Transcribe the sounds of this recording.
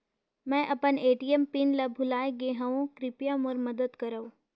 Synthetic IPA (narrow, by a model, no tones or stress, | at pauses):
mɛ̃ːʔɐpəneːʈijəmpinlabʱʊlaːjeɡeːɦaʋõkɾɪpijamɔɾmɐd̪əd̪kɐɾəõː